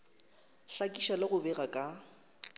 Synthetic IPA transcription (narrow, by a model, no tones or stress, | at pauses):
ɬakʼiʃalɪɣʊbɛɣakʼa